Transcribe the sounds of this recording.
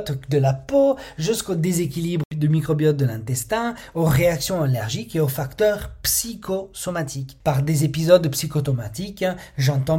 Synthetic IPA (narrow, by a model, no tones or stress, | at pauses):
t̪d̪əlapoʒyskod̪ezekʲilibʁəd̪əmikχɔbjɔt̪̚d̪əlɛ̃t̪ɛst̪ɛ̃oʁeaksjɔ̃alɛʁʒikeofakt̪œʁpsikʰosɔmat̪ʰikpaʁd̪ezepizɔd̪psikɔt̪ɔmat̪ikʒɑ̃t̪ɑ̃